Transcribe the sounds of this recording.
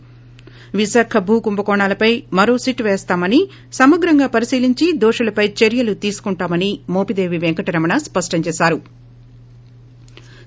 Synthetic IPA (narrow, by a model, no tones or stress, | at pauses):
ʋisaːkʰɐbʱuːkumbɐkɔːɳaːlɐpɐjmɐɾo̞ːsiʈʋeːst̪aːmɐni | sɐmɐɡɾɐŋɡaːpɐɾisiːliɲt͡ʃid̪ɔːʂɐlɐpɐjt͡ʃeɾjɐlut̪iːsu̥kuɳʈaːmɐnimoːpid̪eːʋiʋeŋkɐʈiɾɐmɐɳɐspɐʂʈɐɲt͡ʃeːsaːɾu